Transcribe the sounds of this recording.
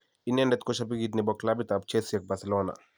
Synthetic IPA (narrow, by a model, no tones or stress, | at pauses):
inɛndɛt̪kɔʃap̬iɡit̪nibɔklabit̪ab̚t͡ʃɛsijak̚basɛlɔna̰